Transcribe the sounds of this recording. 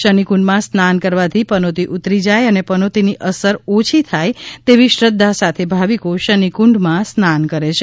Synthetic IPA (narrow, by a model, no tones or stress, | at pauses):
ʃənikuɳɖmãsnankəɾʋat̪ʰipənot̪iʔut̪ɾid͡ʒajənepənot̪iniʔəsəɾot͡ʃʰit̪ʰajt̪eʋiʃɾəd̪ʱːasat̪ʰebʱaʋikoʃənikuɳɖmãsnankəɾet͡ʃʰe